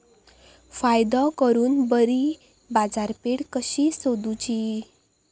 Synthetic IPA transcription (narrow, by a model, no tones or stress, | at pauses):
fajd̪ɔkəɾuːnbəɾi | bad͡zaɾpeɽkəɕisod̪ut͡ɕi